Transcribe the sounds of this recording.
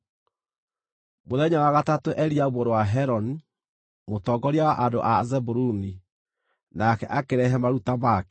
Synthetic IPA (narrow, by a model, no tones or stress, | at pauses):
moðɛɲawaɣatatoʔɛɾiaβɔɾwaɦɛɾɔni | motɔɡɔɾiawaʔando̰ʔazɛbuɾuni | nakɛʔakeɾɛɦɛmaɾutamakɛ̥